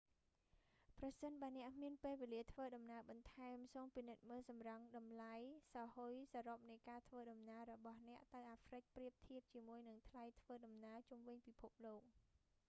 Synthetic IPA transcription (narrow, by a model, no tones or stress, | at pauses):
prɑsənɓaənɛ̆əʔmiənpeːlʋeːliət̪ʰʋəːɗɑmnaəɓɑnt̪ʰaɛmsoːmpinɨt̪̚məːlsɑmrəŋɗɑmlajsɑhojsaːɾop̚nɨjkaːt̪ʰʋəːɗɑmnaəɾɔɓɑhnɛ̆əʔt̪ɨwʔaːfrɨc̚priəp̚t̪ʰiəp̚t͡ɕiəmuəjnɨŋt̪ʰlajt̪ʰʋəːɗɑmnaət͡ɕumʋɨɲpipʰup̚loːk̚